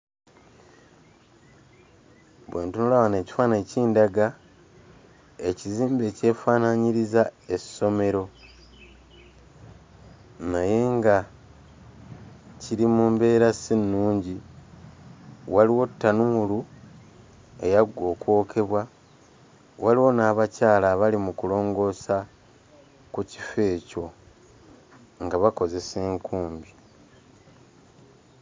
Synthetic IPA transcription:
βweːntunulawane̞ːci̥faːne̞ːciːndaɡa | e̞ciziːmbe̞ːce̞ːfaːnaɲiɾizae̞so̞me̞ɾo̞ | naje̞ŋɡa | ciɾimumbe̞ːɾasinːuːɲɟi | waliwo̞tːanuulu | e̞jaɡo̞kwo̞ːkʰe̞βwa | waliwo̞naːβacaːlaːβalimukulo̞ːŋɡo̞sa | kuci̥fe̞ːco̞ | ŋɡaβako̞ze̞se̞ːŋkuːmbi

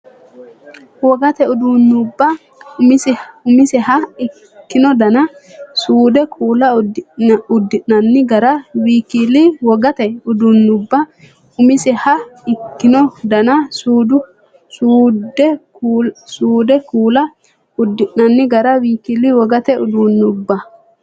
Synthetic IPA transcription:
wɔɡɐt̪ɛʊd̪unːʊbːɐ | ʊmɪsɪʊmɪsɪhɐɪ | kːɪnɔd̪ɐnɐsuːd̪ɛkʰuːlɐ | ʊd̪ːɪʔnɐnːɪɡɐɾɐwiːkiliwɔɡɐt̪ɛʊd̪unːʊbːɐ | ʊmɪsɪhɐɪkːɪnɔd̪ɐnɐsuːd̪ʊ | suːd̪ɛ | suːd̪ɛkuːlɐ | ʊd̪ːɪʔnɐnːɪɡɐɾɐwiːkiliwɔɡɐt̪ɛʊd̪uːnːʊbːɐ

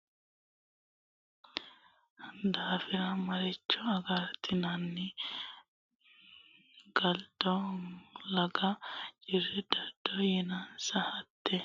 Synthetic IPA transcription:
d̪aːfɪɾɐmɐɾɛt͡ʃːɔɐɡɐɾt̪ʰːɪnɐnːɪ | ɡ̥ɐld̪ɔ | lɐɡɐt͡ʃʼɪrːɛd̪ɐd̪̥ːɔjɛnɐnsɐhɐt̪ːɛ

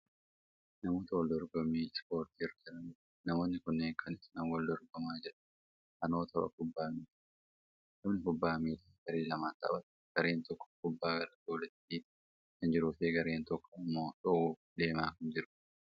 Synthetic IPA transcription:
nɐmoːt̪ɐwɔld̪ɔɾɡɔmiːspo̞ːɾt̪iɪrːɐd͡ʒɛɾɐnɪ | nɐmo̞ːnːɪkʊnːeːŋkʰɐnɪsnɐwɔld̪ɔɾɡɔmaːd͡ʒɪɾɐ̥ | ʔɐnoːt̪ʰɐbɐ̰kʊbːaːmiːt̪ | nɐmnɪkʊbːaːmiːt̪ɐɡ̥ɐɾeːlɐmaːt̪ɐ̰bɐt̪ | ɡ̥ɐɾeːnt̪ɔkːɔ̥kʊbːaːɡɐɾɐd̪oːlɛt̪ːi | kɐnd͡ʒɪɾʊfeːɡɐɾeːnt̪ɔkːɔɐmːoːᶑɔʔuːd̪e̞ːmaːkɐnd͡ʒɪɾʊ̥

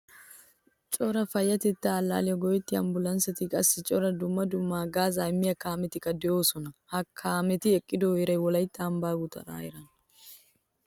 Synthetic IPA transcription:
t͡ʃʼɔɾɐfɐjːɐt̪ɪt̪ːaːlːa̰ːlɪjɔɡɔjɛt̪ːɪɐ̰mbʊlɐnsɐt̪ɪkʼɐsːɪt͡ʃʼɔɾɐd̪ʊmːɐd̪ʊmːaːɡaːzaːɪmːɪjɐkaːmɛt̪ɪkʼːɐd̪ɛjoːsɔnɐhɐkʰːaːmɛt̪ɪɛkʼːɪd̪oeɾɐjwɔlɐjt̪ːaːmbaːɡʊt̪ɐ̰ɾa̰ːɛɾɐn

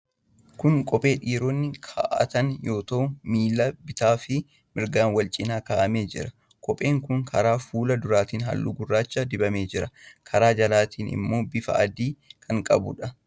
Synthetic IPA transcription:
kʊŋkʼɔpʼe̞ːᶑiːɾɔnːɪkʰa̰ːʔɐ̰t̪ɐnjo̞ːt̪ɐʔʊmiːlɐbɪt̪aːfɪ | mɪɾɡaːnwɐlt͡ʃʼɪnaːkaːʔɐme̞ːd͡ʒɪɾɐ | kʼɔpʼe̞ːŋkʊŋkʰɐɾaːfuːlɐd̪ʊɾaːt̪iːnɦɐ̰lːʊ̰ɡʊrːaːt͡ʃːad̪ɪbɐme̞ːd͡ʒɪɾɐkʰɐɾaːd͡ʒɐlaːt̪ʰiːnʔɪ̰mːo̞ːbɪfɐ̰ʔɐd̪iːkʰɐŋkʼɐbʊ̰ᶑɐ

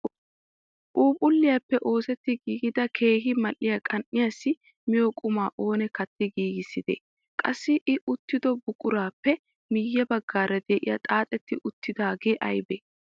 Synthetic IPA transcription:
ʔuːpʼʊlːɪjapːɛʔo̞ːsɛt̪ːɪɡiːɡɪd̪ɐkʰe̞ːɦɪmɐlʔːɪjakʼɐnʔɪjasːɪ | mɪjɔkʼʊmaːʔo̞ːnɛkɐt̪ːɪɡiːɡɪsːɪd̪ɛ̰ | kʼɐsːɪʔɪʔʊt̪ːɪd̪ɔbʊkʼʊɾaːpːɛ | mɪjːɐbɐɡːaːɾɐd̪eːʔɪ̰jɐ̰t̪ʼaːt̪ʼɛt̪ːɪʔʊt̪ːɪd̪aːɡe̞ːʔɐjbɛː

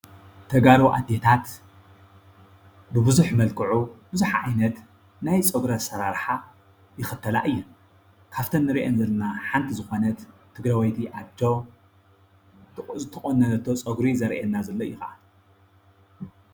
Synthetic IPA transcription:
t̪ʰɐɡaɾoʔa̰d̪et̪ʰat̪ | bɨbɨzuħmɐlkʰɨʕubɨzuħaʕajnɐt̪ | najt͡sʼɐɡɾɐsɐɾaɾħa | jɪxɨt̪ʰːɐla̰ʔɨjːɛ | kʰaft̪ʰɐnːɨɾiʔenzɐlɐnaħant̪ʰizɨxo̞nɐt̪t̪ʰːɨɡɾɐwɐjt̪ʰiʔat͡ʃːo | ɨt̪ʰɐkʼonːɐɐt̪ʰːo̞t͡sʼɐɡɾizɐɾʔenːazɐlːojɪxaʔa̰n

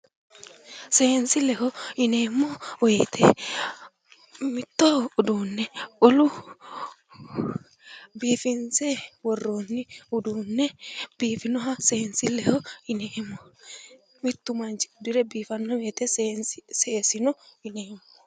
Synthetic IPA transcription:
seːnsɪlɛɦɔɪneːmːɔweːt̪ʰeː | mɪt̪ːɔʊd̪uːnːɛɔlʊ | biːfɪnseːwɔrːoːnːɪʊd̪uːnːɛb̥iːfɪnɔɦɐseːnsɪlɛhɔɪneːmːɔ | mɪt̪ːʊmɐnt͡ʃɪ̥ʊd̪ɪɾɛbiːfɐnːɔweːt̪enseːsɪnɔɪneːmːɔ

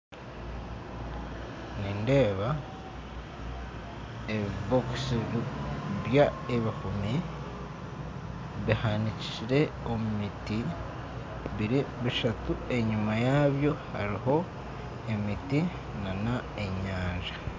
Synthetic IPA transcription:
niːnde̞ːβa | eβiβoksi | βjaeβixumi | βihanici̥ciɾe̞o̞mumiti | βiɾiβiʃatue̞ɲumajaːβjo̞ha̰ɾiho̞ | e̞miti | nana | e̞ɲaːnʒa

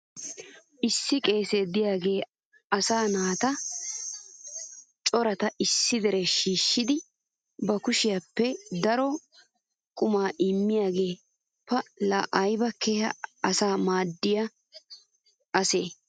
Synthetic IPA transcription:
ʔɪsːɪkʼe̞ːsed̪ɪjaːɡe̞ː | ɐsaːnaːt̪ɐ | t͡ʃʼɔɾɐt̪ɐʔɪsːɪd̪ɛɾɛʃiːʃːɪd̪ɪ | bɐkʊʃɪjapːɛd̪ɐɾɔ | kʼʊmaːʔɪmːɪjaːɡe̞ː | pɐlaʔɐjbɐkʰːeːhɐ̰ɐsaːmaːd̪ːɪjɐ | ɐseː

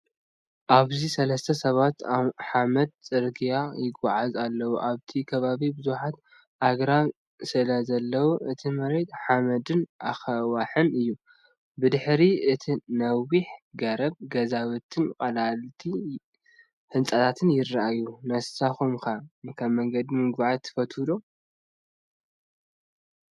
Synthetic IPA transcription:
ʔaβzisɐlɐst̪ʰɐsɐβat̪aħamɐd̪̚t͡sʼɨɾɡijajɪɡːaʕazalːɐwuʔaβt̪ʰikʰɐβaβibɨzuħat̪ | ʔaɡɾa | sɨlazɐlːɐwuʔɨt̪ʰimɐɾet̪ħamɐd̪ɨnʔa̰xɐwaħɨnɨjːu | bɨd̪ɨħɾiɨt̪ʰinɐwiħɡɐɾɐβ̚ɡɐzawɨt̪ʰɨnkʼɐlalt̪ʰi | hɨnsʼat̪ʰat̪ʰɨnjɪrːaʔajunɐsaxumkʰakʰaβmɐŋɡɐd̪imɨɡbaʕat̪ʰɨ̥fɐt̪hɨlo

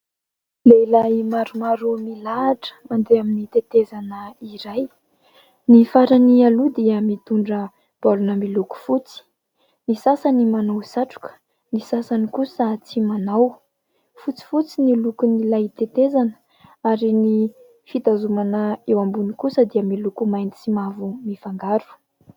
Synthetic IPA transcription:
leilaimaɾumaɾumilaʈ͡ʂə̥mand̪eaminit̪et̪ezanəiɾaj | nifaɾanialud̪iəmit̪uɳɖ͡ʐə | b̥alunəmiluku̥fut͡si̥ | nisasanimanawsaʈ͡ʂu̥kə̥ | nisasanikusət͡simanaw | fut͡si̥fut͡sinilukunilat̪et̪ezanə̥ | aɾini | fit̪azumanəewambunikusəd̪iəmilukumajnt̪i̥simavumifaŋɡaɾu̥

